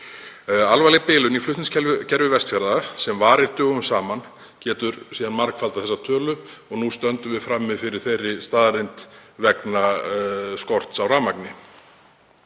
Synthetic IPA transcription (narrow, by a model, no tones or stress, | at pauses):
alvajlɪpɪːlʏniflʏht̪nɪscʰɛlcʰɛɾvɪvɛst̪fjaɾðasɛmvaːɾɪɾ̥t̪ʏːɣʏmsaːman | cɛːt̪ʏɾsiːðanmaɾkfalt̪aθɛsːat̪ʰœːlʏ | ɔɣnust̪œnt̪ʏmvɪðfɾamːɪðfɪɾɪɾ̥θejrːɪst̪aːðɾejnt̪vɛkna | skɔr̥t̪sawraːmaknɪ